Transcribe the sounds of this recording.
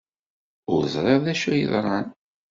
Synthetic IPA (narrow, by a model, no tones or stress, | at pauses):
ʊɾzˤɾˤeʁðæʃujə̰ðˤɾˤɑn